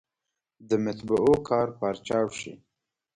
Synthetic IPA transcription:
d̪əmat̪baʔokʰɑɾpɑɾt͡ʃɑwʃḭ

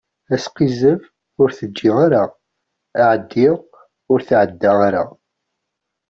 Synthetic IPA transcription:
æsqizəv | ʊɾθəd͡ʒːɪʁaɾa | aʕəd̪ːiʁ | ʊɾθʕəd̪ːaaɾa̰

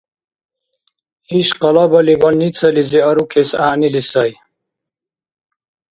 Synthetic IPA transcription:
iɕqɐlabɐliwɐlnit͡sʰɐliziɐɾukʰesaːnilisɐj

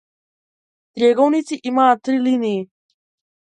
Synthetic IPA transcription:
t̪ɾʲjɛɡɔwnit͡s̪iʔimaːt̪ɾiliniː

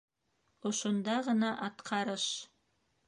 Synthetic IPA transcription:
ŏʃŏnd̪ɑʁɤ̆nɑʔɑt̪qʰɑɾɤʃ

